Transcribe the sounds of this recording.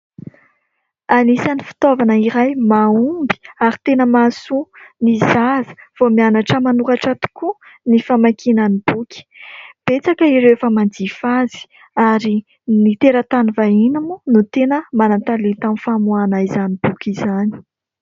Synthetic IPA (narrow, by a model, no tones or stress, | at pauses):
anisanifi̥t̪ovanəiɾajmaumbi̥aɾi̥t̪enəmasunizaz̥v̥omianaʈ͡ʂəmanukaʈ͡ʂat̪u̥kʰu | nifamakʰinənib̥ukʰʲi̥b̥et͡sakəiɾewefəmand͡zifazi̥ | aɾi | nit̪eɾət̪anivainamunut̪enəmanant̪alent̪amifamuanaizanib̥ukʲizani̥